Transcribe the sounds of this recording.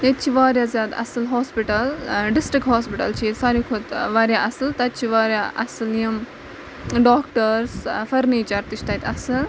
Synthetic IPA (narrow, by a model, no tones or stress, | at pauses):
jɐt̪̚t͡ʃʰiʋaːɾjaːzjaːd̪ɐ̰sɨlɦoːspiʈɐlɖɪsʈɾik̚ɦoːspiʈɐ̰lt͡ʃʰisaːɾikʰot̪ʋaːɾjaʔɐsɨlt̪ɐt̪̚t͡ʃʰiʋaːɾʲjaʔɐ̰sɨljim | ɖoːkʈəɾsfɐɾniːt͡ʃaːɾt̪it͡ʃʰt̪ɐt̪ʲɐsɨl